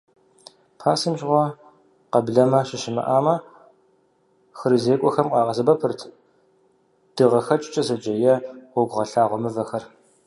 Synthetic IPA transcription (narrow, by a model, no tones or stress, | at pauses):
pʰaːsɨmʒʁʷɔ | qɐbɮɐmɐɕɪʃɪmɐ̰ʔaːmɐ | xɨrɨzeːkʷʼɔxɐmqɑːʁɐzɨbɐpʰɨrtʰ | d̥ɨʁɐxɐt͡ʃʼɪt͡ʃʼɐzɐd͡ʒɐjɐʊɡʷʁɐɬaːʁʷɔmɨvɐxɐr